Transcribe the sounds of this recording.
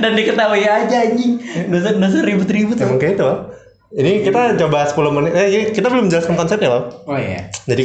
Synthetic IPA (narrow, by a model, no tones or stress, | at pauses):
dandikət̪aɦujad͡ʒaɲidos̬dos̬əɾibut̪ɾibut̪mŋkeit̪ua | inikit̪ad͡ʒabaaspulomənaikit̪abəlʊmɲd͡ʒalaskankɔnsɛt̪̚ɲabaoja̰d͡ʒadi